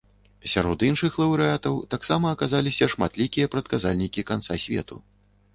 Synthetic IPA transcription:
sʲaɾɔd̪inʂɨxlˠɐwɾɨat̪ɐwt̪aksamɐːkazalʲisʲɐʂma̰t̪lʲikʲijɐpɾɐt̪kazalʲnʲikʲikant̪sasʲvʲɛ̰t̪ṵ

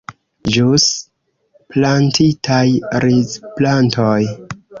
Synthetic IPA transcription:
d͡ʒus | plantʰitajɾizplantoj

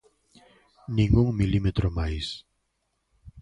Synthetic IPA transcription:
nĩŋɡuŋmilimet̪ɾomajs

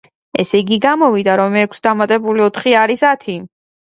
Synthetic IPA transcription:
ɛ̰sɛɡiɡamɔvid̪aɾɔmɛkʰsd̪amat̪ʼɛbuliɔt̪ʰχiaɾisat̪ʰi

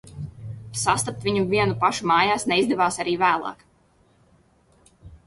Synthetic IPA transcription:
sast̪ap̚t̪viɲuvʲiɛnupaʃumaːjaːsnɛizd̪ɛvaːsaɾiːvæːlˠɑ̰ːk

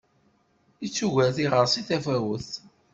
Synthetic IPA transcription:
it͡sːuʝæθiʁəɾˤsiθæfæwəθ

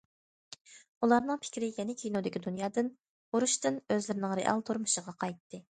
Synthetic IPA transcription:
ulˠɑɾnɨŋpʰɪ̥kʲɾɪjɛnɪkʲʰijnod̪ɪkʲid̪unjɑːd̪ɨn | oɾuʃt̪ɨnøzlɪɾɪnɪŋɾḛʔɑ̰lˠt̪ʰoɾmuʃəʁɑqʰɑjt̪ʰːɨ

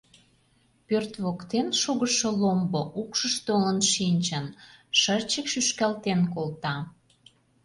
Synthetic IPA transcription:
pørt̪βokt̪enʃoɣəʃolomboʔukʃəʃt̪olə̆nʃinʲt͡ɕənʃərt͡ɕəkʃyʃkælt̪enkolt̪ɑ

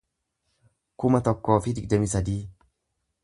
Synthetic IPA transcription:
kʊmɐt̪ɔkːɔːfid̪ɪkd̪ɛmisɐd̪iː

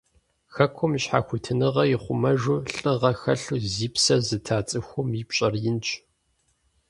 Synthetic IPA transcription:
xɐkʷʰʊmɕħaːxʷʊtʰɨnɨʁɐjɪχʷʊmɐʒʊɬʼɨʁɐxɐɬuziːpsɐzɨtʰaːt͡sʼɨxʷʊmiːpɕʼɐrjɪnt͡ʃʰʼ

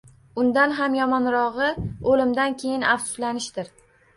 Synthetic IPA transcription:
ʊnd̪anɦamjɒmɒnɾɒʁɨolɪmd̪ankʲʰe̞jɪnafsʊ̥slanɪʃd̪ɪɾ

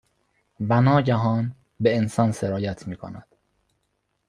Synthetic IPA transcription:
vænɒːɟæɦɒːn | beensɒːnseɾɒːjæt̪ʰmiːkʰo̰næd̪̥

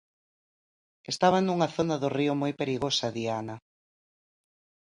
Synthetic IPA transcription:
est̪aβanuŋaθonaðʊriʊmojpeɾiɣosɐðiana

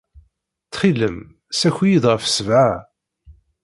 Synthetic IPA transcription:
t͡sːχiləm | sæçʷijid̪ʁəfsəvʕa

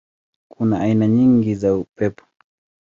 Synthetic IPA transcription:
kʰunaʔːinaɲiŋɡizaupɛpʰɔ̥

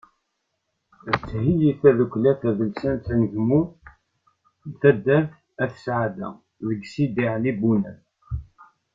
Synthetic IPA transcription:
ət͡sːhijiθæðukʷlæθæðəlsænt̪nəʝmu | nθæd̪ːæθ | æθə̥sʕad̪æ̰ | ðəɡsid̪iʕlibunæθ

